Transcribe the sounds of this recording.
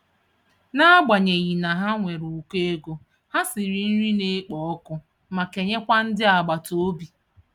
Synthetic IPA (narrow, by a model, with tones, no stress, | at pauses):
na˦a˦ɡ͡ba˨ɲe˨ɣi˨na˨ɦa˦ŋʷe˨ɾu˨u˦ke˦e˦ɡo˦ | ha˦si˨ɾi˨n̩˦ɾi˦ne˦k͡pɔ˨ɔ˦kʊ˦ | ma˨ke˨ɲe˦kʷa˦n̩˦dɪ˦a˨ɡ͡ba˨to˨˦bi˨